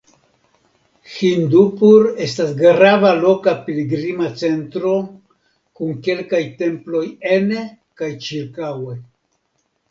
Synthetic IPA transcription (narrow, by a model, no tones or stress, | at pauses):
xind̪upuɾe̞stasɡɾavalo̞kapiliɡɾimat͡se̞ntɾo̞ | kuŋke̞lkajte̞mplo̞jene | kajt͡ʃiɾkawe̞